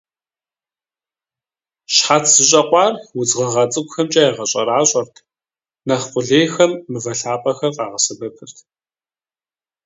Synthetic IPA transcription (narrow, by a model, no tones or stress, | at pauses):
ɕħatʰz̥ɨɕʼɐqʷʼɑːrwʊd͡zʁɐʁɐt͡sʼɨkʷʊxɐmt͡ʃʼɐjeʁɐɕʼɐɾaːɕʼɐrtʰ | nɐχqʷʊɮeːxɐmːɨvɐɬaːpʼɐxɐrqɑːʁɐsɐbɐpʰɨrtʰ